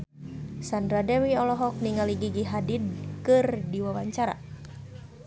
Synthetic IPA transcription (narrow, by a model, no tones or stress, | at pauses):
sandɾadɛwiɔlɔɦɔk̚niŋaliɡiɡiɦadidkɨrdiwawaɲt͡ʃaɾa̰